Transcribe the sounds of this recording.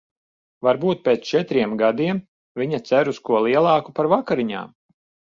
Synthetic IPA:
vaɾbuːt̪̚peːt̪st͡ʃɛt̪ɾiɛmɡad̪iɛm | vʲiɲat̪sæɾuskuɔlˠiɛlˠɑːkupaɾvakaɾiɲa̰ːm

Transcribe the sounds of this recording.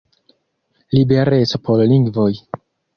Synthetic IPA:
libeɾet͡sopolliŋɡvo̞j

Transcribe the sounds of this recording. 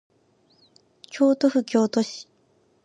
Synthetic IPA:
kʲʰo̞ːt̪oɸɯ̟kʲo̞ːt̪o̞ɕi̥

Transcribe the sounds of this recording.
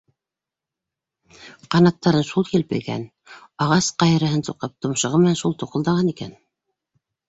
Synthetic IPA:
qɑnɑt̪ːɑɾɤnʃulˠkilpɘ̰̆jɡæ̰n | ɑʁɑsqɑjɤ̆ɾɤ̆ɦɤnsuqɤp̚t̪ŏmʃɤ̆ʁɤmɘ̆nænʃulˠt̪uqɤ̆ld̪ɑʁɑnikæ̰n

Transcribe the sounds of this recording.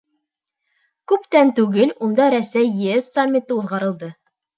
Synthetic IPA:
kʉpt̪ænt̪ʉɡɘlund̪ɑɾæsæjːɘesːamʲːit̪ɤuðʁɑɾɤ̆lˠd̪ɤ

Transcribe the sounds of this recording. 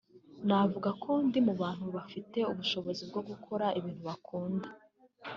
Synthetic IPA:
navuɡakʰo̞ndimuβaːn̥huβafite̞uβuʃo̞βo̞zibɡo̞ɡukʰo̞ɾaʔiβiːn̥huβakʰuːnda

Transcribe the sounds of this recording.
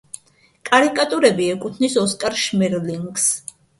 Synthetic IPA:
kʼaɾikʼat̪ʼuɾɛbiɛkʼut̪ʰnisɔskʼaɾʃmɛɾliŋɡs

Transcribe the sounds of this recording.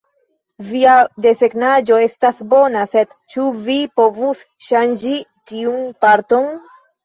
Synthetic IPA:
viade̞se̞ɡnad͡ʒo̞e̞stasbo̞nase̞d | t͡ʃuvipo̞vusʃand͡ʒitiunpaɾto̞n

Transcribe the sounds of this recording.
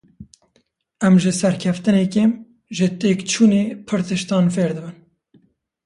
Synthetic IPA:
ɛmʒɨsɛɾkʰɛft̪ɨnɛkeːm | ʒɨt̪eːkt͡ʃʰuːneːpʰɨɾt̪ɨʃt̪ɑːnfeːɾd̪ɨbɨn

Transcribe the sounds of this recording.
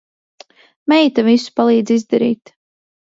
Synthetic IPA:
mɛjt̪avisu̥palˠiːd̪zʲizd̪aɾḭːt̪

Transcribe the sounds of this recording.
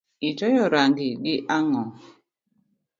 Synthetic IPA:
id͡ʒɔjɔɾaŋɡɪɡɪʔaŋɔ

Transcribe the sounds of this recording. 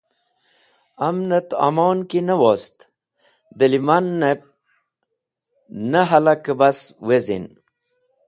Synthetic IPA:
amnət̪a̰moːnkinəwoːst̪ | d̪əlimanːet̪̚ | nəɦalakəbaswezḭn

